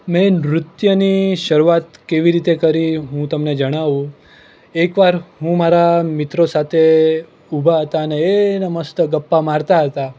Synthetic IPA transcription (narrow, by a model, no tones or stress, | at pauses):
mɛ̃nɾʊt̪jəniʃəɾuat̪keʋiɾit̪ekəɾiɦũt̪əmned͡ʒəɽ̃aʋũ | ekʋaɾɦũmaɾamɪt̪ɾosat̪ʰe | ubʱaɦət̪aəneːnəməst̪əɡəpːamaɾt̪aɦət̪a